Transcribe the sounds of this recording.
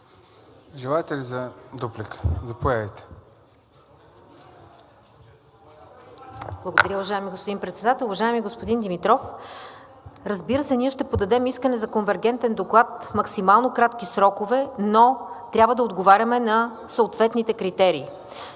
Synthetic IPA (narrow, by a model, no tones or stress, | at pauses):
ʒɛlˠajt̪ɛlizɐd̪oplikə̥zɐpojaəjt̪ɛ̥ | blˠəɡod̪ɐɾaovɐʒaɛmiɡospod̪inpɾɛt̪sɛd̪at̪ɛlˠʊvɐʒajɛmiɡospod̪ind̪imit̪ɾɔf | ɾɐzbiɾəsɛniɛʃt̪ɛpod̪ɐd̪ɛmiskənɛzɐkonvɛɾɡɛnt̪ɛnd̪oklˠat̪mɐksimalˠnokɾat̪k̟isɾɔkovɛnot̪ɾʲabvəd̪ɐod̪ɡovaɾʲɐmɛnɐ | sɐot̪vɛt̪nit̪ɛkɾit̪ɛɾiː